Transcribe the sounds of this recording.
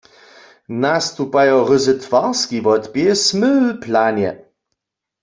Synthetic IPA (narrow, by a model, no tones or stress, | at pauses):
nast̪upajɔʁɪzɨt̪vaʁskivɔt̪pjɛsmɘplanɛ̰